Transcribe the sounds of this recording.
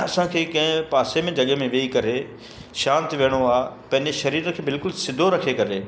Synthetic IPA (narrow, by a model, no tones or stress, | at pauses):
ɐsãkʰeːkɐ̃ɦɪ̃paːsemẽd͡ʑʱɐɠemẽʋeikɐɾe | ʃãːnt̪ʋeːɽ̃oaːɦpɐ̃ɦɪ̃ɲd͡ʑeʃɐɾiːɾkʰeːbɪlkʊlsɪd̪ʱoɾɐkʰekɐɾeː